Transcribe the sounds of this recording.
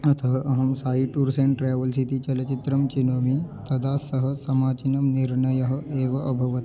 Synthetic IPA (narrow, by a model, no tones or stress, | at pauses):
ɐt̪ʰɐɦɐʔɐɦɐmsaːɦiʈuɾseɳʈɾeːʋɐlsit̪it͡ʃɐlɐt͡ʃit̪ɾɐmt͡ʃinoːmit̪ɐd̪aːsɐɦɐ̆sɐmaːt͡ʃinɐmniɾnɐjɐɦɐ̆eːʋɐɐbʱɐʋɐt̪i̥